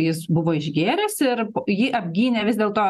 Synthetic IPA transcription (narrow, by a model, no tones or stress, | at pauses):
jɪsbʊʋoːɪʒʲɡʲeːɾʲɛsɪɾpojiːʔɐbʲɡʲiːnʲeːʋʲɪzd̪ʲeːlˠt̪oː